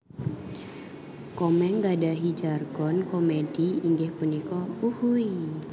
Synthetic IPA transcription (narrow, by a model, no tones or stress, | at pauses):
kɔmɛŋɡadaɦid͡ʒarɡɔnkomediiŋɡɛhpənikɔuhui